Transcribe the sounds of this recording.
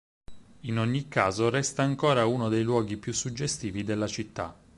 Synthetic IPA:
inoɲːikːaːzoɾɛst̪aːŋkoːɾaunod̪ejlwɔːɡipjusːud͡ʒːest̪iːvid̪elːat͡ʃit̪ːa̰

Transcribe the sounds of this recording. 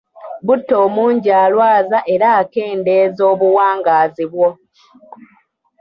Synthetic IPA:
butːo̞ːmuːɲɟaːlwaːzaʔe̞ɾaːke̞ːnde̞ːzo̞ːβuwaːŋɡaːziβwo

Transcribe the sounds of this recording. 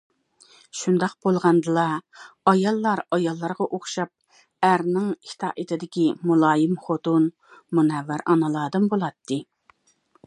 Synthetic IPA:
ʃund̪ɑq̚b̥olˠʁɑnd̪ɨlˠɑɑjɑlˠːɑɾɑjɑlˠːɑɾʁɑʔoχʃɑp̚ | æɾnɪŋʰi̥t̪ʰɑ̰ːʔit̪ʰɪd̪ɪkʲimulˠɑːjɪmχot̪un | munɛvːæɾʔɑ̰nɑlˠɑːd̪ɨmbolˠɑt̪ʰːɨ

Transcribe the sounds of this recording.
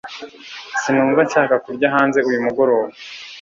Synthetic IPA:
sinuːɱvat͡ʃaːkakuɾɟaɦaːnze̞ujumuɡo̞ɾo̞ːβe

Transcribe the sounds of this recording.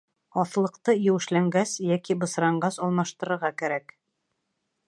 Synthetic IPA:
ɒθlˠɤ̆qt̪ɤjɘ̆wɘ̆ʃlæŋɡæsjækibɤ̆sɾɑɴɢɑsɑlˠmɑʃt̪ɤ̆ɾɤ̆ɾʁɑkæɾæk

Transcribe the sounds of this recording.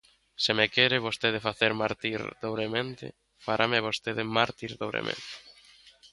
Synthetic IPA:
sɪmekɛɾɪβost̪eðefaθeɾmaɾt̪iɾðoβɾemẽnt̪ɪ̰ | faɾʔamɪaβost̪eðemaɾt̪iɾðoβɾḛmʔḛ̃nt̪ɪ̥

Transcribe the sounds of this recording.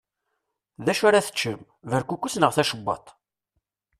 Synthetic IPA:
ðæʃaɾaθə̥t͡ʃːəm | vəɾkʷukʷːusnəʁθæʃəbːɑ̰t̪ˤ

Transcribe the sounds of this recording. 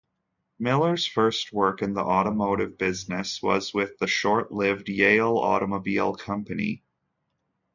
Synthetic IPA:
mɪlˠə˞z̥fɜ˞st̚wɜ˞kɨ̃nðḭʔɔɾəmoʊɾɨvbɪznɨswʌ̰zwɪðɨʃɔɹʔlɪvdjeɪl̩ˠɔ̰ɾəmoʊbilˠkʰʌ̃mpɨnḭ

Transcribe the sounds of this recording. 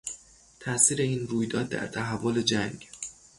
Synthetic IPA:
t̪ʰæʔsiːɾe̞iːnɾuːjd̪ɒːd̪̚ːæ̰ɾt̪ʰæɦævːole̞d͡ʒæŋɡ

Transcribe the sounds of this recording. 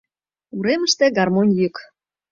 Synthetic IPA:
uɾeməʃt̪ĕɡɑrmonʲjyk

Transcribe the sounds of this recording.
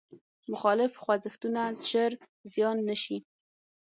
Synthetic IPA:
mʊxɑlɪfxwazɪxt̪unazʒəɾ | zjɑnːəʃi

